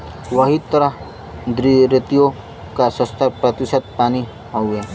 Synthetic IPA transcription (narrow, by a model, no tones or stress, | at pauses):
ʋɐɦit̪əɾəɦ | d̪ɾiɾɪt̪ijo | kasə̃st̪ʰapɾət̪ɪsət̪̚paːni | ɦɐwe